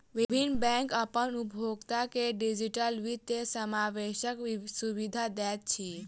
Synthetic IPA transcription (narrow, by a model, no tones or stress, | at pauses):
ʋibʱinːbɛ̃ŋkəpənubʱoɡt̪akeɖid͡ʒiʈəlʋit̪ːesəmaʋeʃəksuʋid̪ʱad̪ɛt̪̚t͡ʃʰi